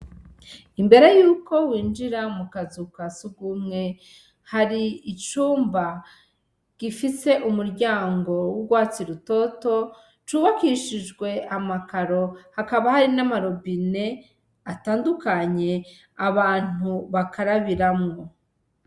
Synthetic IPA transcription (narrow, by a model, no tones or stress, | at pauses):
imbe̞ɾe̞juːko̞wiːnd͡ʒiɾamukazukasuɡumŋe̞ | haɾiit͡ʃuːmba | ɡ̥ifise̞ʔumuɾɟaːŋɡo̞wuɡwaːt͡siɾuto̞to̞ | t͡ʃuːβakiʃid͡ʒɡwe̞amakaɾo̞hakaβahaɾinamaɾobine̞ | ataːndukaɲe̞ | aβaːn̥uβakʰaɾaβiɾamŋo̞